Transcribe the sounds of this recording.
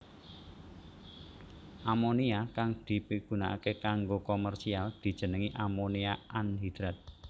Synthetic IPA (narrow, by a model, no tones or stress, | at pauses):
ʔamoniakaŋd̪̥i̤piɡ̥ṳna̰ʔa̰kekaŋɡokomɛrsiald̪̥i̤d̥ʒ̥ə̤nəŋiʔamoniaʔanɦid̪̥ɾat̪̚